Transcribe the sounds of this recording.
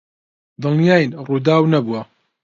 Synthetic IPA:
d̪ɨlnijaːjnruːd̪aːwnɐbuɐ

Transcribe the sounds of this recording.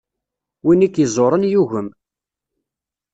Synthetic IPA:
winikːjizˤoɾˤənjuʝəm

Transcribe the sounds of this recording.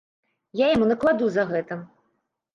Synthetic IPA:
jajamunɐklˠad̪uzɐɣɛt̪ɐ

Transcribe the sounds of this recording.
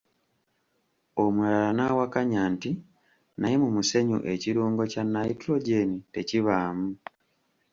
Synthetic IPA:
o̞muɾalanawakaɲaːnti | naje̞mumuse̞ɲṵʔe̞ciɾuːŋɡo̞canːajitɾo̞ɟe̞nite̞ciβaːmu

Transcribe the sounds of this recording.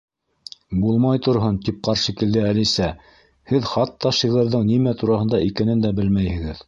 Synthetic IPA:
bulˠmɑjt̪ŏɾɦont̪ip̚qɑɾʃikɘ̆ld̪ɘælisæ | hɘðχɑt̪ːɑʃiʁɤ̆ɾðɤɴnimæt̪uɾɑhɤ̆nd̪ɑikænɘnd̪æbɘlmæjhɘ̆ɡɘð

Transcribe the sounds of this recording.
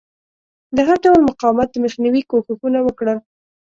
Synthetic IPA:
d̪əɦaɾɖawlmʊqɑwmat̪̚d̪əməxnawikoxəxunawəkɽəl

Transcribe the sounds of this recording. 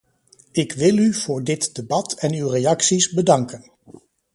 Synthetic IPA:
ɪkʋɪlˠyv̥ʊːɹdɪtd̥ebɑtɛnywrejɑksizbədɑŋkən

